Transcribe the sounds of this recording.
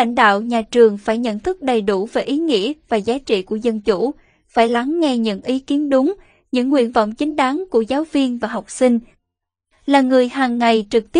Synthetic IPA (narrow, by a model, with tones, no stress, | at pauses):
a̰˧˩jŋ̟ɗa̰ː˧˨wɲaː˨˩t͡ɕɨ˨˩əŋfaː˧˩jɲə̰˧˨nt̪ʰɨ˦˥k̚ɗə˨˩jɗu˧˩vaː˨˩jʔi˨˦ŋḭ˧˥əvaː˨˩zaː˨˦t͡ɕḭ˧˨ku˧˩əzə˧nt͡ɕu˧˩ | faː˧˩jla˨˦ŋːɛ˧ɲɨ̰˧˥ŋʔi˨˦ki˨˦ənɗʊ˨˦ŋ͡m | ɲɨ̰˧˥ŋːwḭ˧˨ənva̰˧˨wŋ͡mt͡ɕï˨˦ŋ̟ɗa˨˦ŋku˧˩əzaː˨˦wvi˧ənvaː˨˩ɦa˨˩wk͡p̚sï˧ŋ̟ | laː˨˩ŋɨ˨˩əjɦaː˨˩ŋːa˨˩jt͡ɕɨ˨˩k̚t̪i˦˥